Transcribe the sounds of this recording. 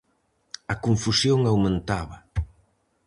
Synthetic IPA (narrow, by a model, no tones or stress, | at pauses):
ɐkuɱfusjoŋawmẽnt̪aβɐ